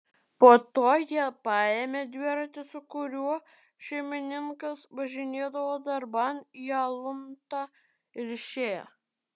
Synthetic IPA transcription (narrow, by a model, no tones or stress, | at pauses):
poːt̪oːjiɛpɑːjemʲed̪ʲʋʲiɛɾɐt̪ʲɪsʊkʊɾʲuɔ | ʃʲɛɪmʲɪnʲɪŋkɐsʋɐʒʲɪnʲeːd̪ɐʋoːd̪ɐɾbɐnjɑlˠʊnt̪ɑ | ɪɾʲʃʲeː